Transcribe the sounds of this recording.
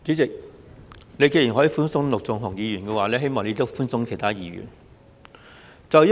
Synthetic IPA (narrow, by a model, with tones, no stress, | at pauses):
t͡syː˨˥t͡sɪ˨k̚ | ne˨˧jke˧jiː˨˩nɦɔː˨˥jiː˨˧fuː˥nsʊ˥ŋlʊ˨k̚t͡sɔː˨˩ŋɦɔ˨˩ŋjiː˨˧jyː˨˩nkɛː˧waː˨˩lɛː˥ɦe˥jmɔː˨ŋne˧jt̪o˥wfuː˥nsʊ˧˥ŋkʰe˨˩jt̪ʰaː˥jiː˨˧ɥy̰ː˨˩n | t͡sɐ˨wj